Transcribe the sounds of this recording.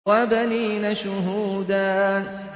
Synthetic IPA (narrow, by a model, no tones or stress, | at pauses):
ɑbaniːnaʃʊɦuːd̪aːn